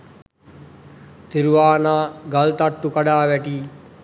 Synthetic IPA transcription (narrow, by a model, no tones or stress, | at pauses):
t̪iɾuʋaːnaːɡalt̪aʈːukaɖaːʋɛʈiː